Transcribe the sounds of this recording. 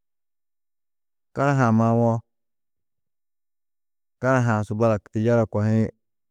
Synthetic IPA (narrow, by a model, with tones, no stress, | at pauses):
ka˦ɾa˦ɦa˨ma˦wɔ˦ | ka˦ɾa˦ɦa˨sʊ˨ba˦la˨kti˨d͡ʒa˦ɾa˨kʷa˨hɪ˦